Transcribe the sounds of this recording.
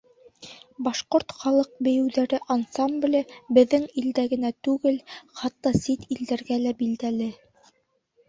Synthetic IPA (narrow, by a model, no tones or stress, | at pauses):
bɑʃqoɾt̪χɑlˠɤq̚bɘ̆jɘ̆wðæɾɘʔansɑmblʲɘbɘ̆ðːɘŋild̪æɡɘ̆næt̪ʉɡɘlχɑt̪ːɑsit̪ild̪æɾɡælæbild̪ælɘ